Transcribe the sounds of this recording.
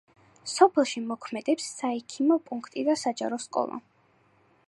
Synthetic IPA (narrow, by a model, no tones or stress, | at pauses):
sɔpʰɛlˠʃimɔkʰmɛd̪ɛpsːaɛkʰimɔpʼuŋkʰt̪ʼid̪asad͡ʒa̰ɾɔskʼɔ̰lˠa̰